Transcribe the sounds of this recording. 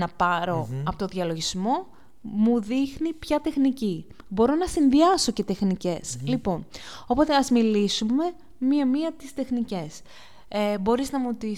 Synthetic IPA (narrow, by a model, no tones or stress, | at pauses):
nɐpɐɾo̞ɐpo̞t̪oðiɐlo̞ʝizmo̞ | muðixnipçɐt̪e̞xnici | bo̞ɾo̞nɐsinðiɐso̞ce̞t̪e̞xnice̞slipo̞no̞po̞t̪e̞ɐzmilisume̞ | miɐmiɐt̪ist̪e̞xnice̞s | ebo̞ɾiznɐmut̪i